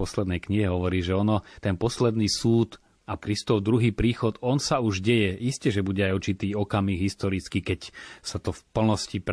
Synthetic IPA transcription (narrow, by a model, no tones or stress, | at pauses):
pɔslɛd̪nɛjkɲiɦɛɦɔʋɔɾiːʒɛɔnɔt̪ɛnpɔslɛd̪niːsuːt̪ | akɾist̪ɔʊd̪ɾuɦiːpɾiːxɔt̪ɔnsauʒɟɛjɛʔiscɛʒɛbuɟɛajuɾt͡ʃit̪iːɔkamiːɡɦist̪ɔɾit͡skiːkɛcsat̪ɔfpl̩nɔscip